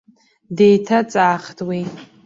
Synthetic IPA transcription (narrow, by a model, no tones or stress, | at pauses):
dejtʰat͡sʼaːχtʰwi